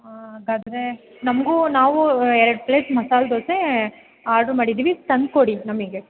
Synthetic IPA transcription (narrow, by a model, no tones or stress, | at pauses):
aɡaːd̪ɐɾe | nɐmɐɡunaːʋuɛɾɐɖpleːsmɐsaːld̪oːse | aːɾɖɾumaːɽid̪iʋist̪ɐnd̪̚koɽinɐmɡe